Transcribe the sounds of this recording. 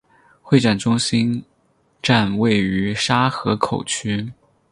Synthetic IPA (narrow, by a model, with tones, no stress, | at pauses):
xwe˥ɪʈ͡ʂa˨˩nʈ͡ʂʊ˥ŋɕi˥n | ʈ͡ʂa˥˧nwe˥˩ɪy˧˥ʂa˥xɤ˧˥kʰo˨˩ʊt͡ɕʰy˥